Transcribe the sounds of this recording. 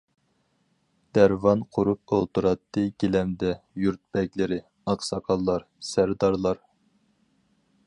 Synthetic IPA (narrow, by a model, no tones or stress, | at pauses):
d̪̥æɾvɑnqʰʊɾup̚olˠt̪uɾɑt̪ːɨɡʲelɛmd̪ɛjuɾt̪̚bɛkʲlɪɾɪ | ɑqsɑkʰɑlˠːɑɾ | sæɾd̪ɑɾlˠɑɾ